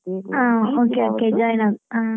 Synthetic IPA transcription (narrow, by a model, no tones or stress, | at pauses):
aokeoked͡ʒajnaa